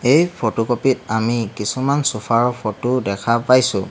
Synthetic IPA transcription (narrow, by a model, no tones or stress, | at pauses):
ejpʰɔtukopit̚amikisumansupʰaɹɔpʰɔtudɛkʰapajsʊ̰̃